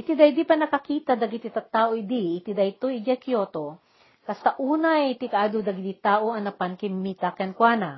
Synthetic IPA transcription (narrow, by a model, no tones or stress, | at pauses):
ʔɪt̪id̪ɐjd̪ipɐnɐkɐkiːt̪ɐd̪ɐɡɪt̪ɪt̪ɐt̪ːaːʔoɪd̪iʔɪt̪id̪ɐjt̪ojɪd͡ʒɐkjoːt̪o | kɐst̪aʔuːnɐjt̪ɪkɐʔaːd̪od̪ɐɡɪd̪it̪aːʔoɐnɐpankɪmmiːt̪ɐkɐnkwaːna